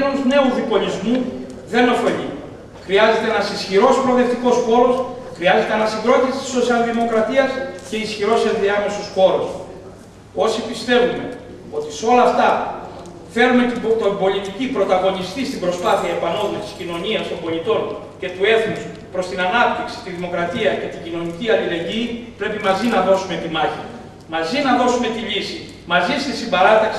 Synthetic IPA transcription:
nont̪une̞uðipo̞lizmu | ðe̞no̞fe̞ʎi | xɾiɐze̞t̪eenɐsisçiɾo̞spɾo̞ðe̞ft̪iko̞sxo̞ɾo̞sxɾiɐze̞t̪eenɐsiŋɡɾo̞t̪isi̥t̪i̥so̞siɐlðimo̞kɾɐt̪iɐsce̞isçiɾo̞seðiɐmesosxo̞ɾos | o̞sipist̪e̞vume̞̰ | ot̪iseo̞lɐːft̪ɐ | fe̞ɾume̞t̪it̪o̞mbo̞lit̪icipɾo̞t̪ɐɣo̞nist̪ist̪ibɾo̞spɐθiɐepɐno̞mɐst̪i̥scino̞ɲiɐst̪o̞mbo̞lit̪o̞n | ce̞t̪ue̞θnus | pɾo̞st̪inɐnɐp̚t̪iksi̥t̪iðimo̞kɾɐt̪iɐce̞t̪iɟino̞niciɐlile̞ɲɟiːpɾe̞pimɐzinɐðo̞sume̞t̪imɐçḭ | mɐzinɐðo̞sume̞t̪iʎisi | mɐzist̪isimbɐɾɐt̪ɐksi

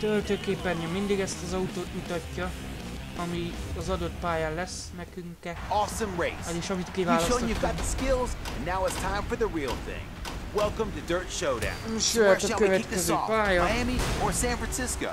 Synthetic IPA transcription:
t̪ølt̪øːkeːpːɛnɲɒmːind̪iɡɛst̪ɒzɒut̪oːt̪mut̪ɒcːɒ | ɒmiɒzɒd̪ot̪paːjaːlɛs | nɛkyŋkɛ | ɔsə̃mɹeɪseːʃɒmit̪kivaːlɒsojɨvɡɑt̪̚ðəskɪlˠzɨ̃nːaʊɨtstʰãɪ̃ɱfə˞ðəɹilˠθɪ̰̃ŋ | wɛlˠkə̃mtɨdɜ˞t͡ʃʃoʊɾã̰ʊ̃nʃøɛɒkøvɛit̪k̚ðɛzøːpaːjɒæ̃miə˞sæ̃nfɹæ̃nsɪskoʊ

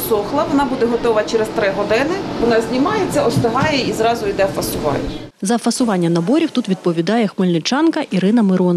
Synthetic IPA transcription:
sɔxlˠɐʋɔnɑbud̪ɛɦɔt̪ɔʋɐt͡ʃɛɾest̪ɾɪɦɔd̪ɪnɪʋɔnɑzʲnʲimɑjet͡sʲːɐɔst̪ɪɦɑjɛizɾɑzʊid̪ɛfɐsʊʋɑ̰jɛ | zɐfɐsʊʋɑnʲːɐnɐbɔɾʲiwt̪ut̪ʋʲid̪̚pɔʋʲid̪ɑjɛxmɪlʲnɪt͡ʃɑnkɐʔiɾɪnɐmɪɾɔn

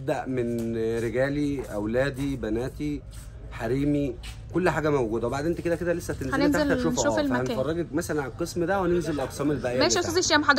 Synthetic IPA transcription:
b̚d̪æʔmenɾeɡæːliʔæwlæːd̪ibænæːt̪i | ħaɾiːmi | kolːħaːɡæmæwɡuːd̪æwebaʕdeːʔːnt̪æked̪æked̪ælesːæt̪enlnaelæʃufʔʃɑeæhænːfɑrˤːɑɡekmæsælænʕaelqesmd̪æwænenzelelʔɑqsæːmelbæʔæjæmæiʔsˤɑzeʃːæːmħɑd̪

